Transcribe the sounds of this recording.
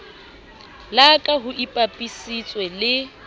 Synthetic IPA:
lakʼaɦʊʔipʼapʼisit͡sʼwɛlɪ

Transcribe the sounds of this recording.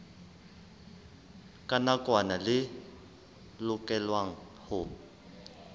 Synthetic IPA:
kʼanakwanalɪ | lʊkʼɛlwaŋ̩hʊ

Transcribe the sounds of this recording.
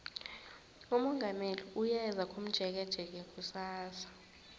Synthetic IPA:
umɔŋɡʱameliujɛzak̬ʼum̩d̥ʒ̥ʱɛk̬ɛd̥ʒ̥ʱɛk̬ʼɛk̬ʼusaːsḁ

